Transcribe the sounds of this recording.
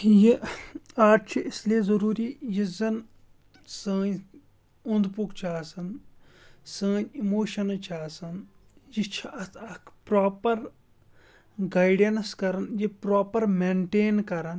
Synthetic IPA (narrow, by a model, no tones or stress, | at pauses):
ji | aːʈt͡ʃʰiʔɪsliezɐɾuːɾiːjizɐn | səːɲ | ʊnd̪pukt͡ʃʰaːsɐn | sə̃ːɲimoːʃɐnt͡ʃʰaːsɐn | jit͡ʃʰiʔɐt̪ʰɐkʰpɾaːpɐɾ | ɡaːjɖɐnskɐɾɐnjipɾaːpɐɾmeɳʈeːnkɐɾɐn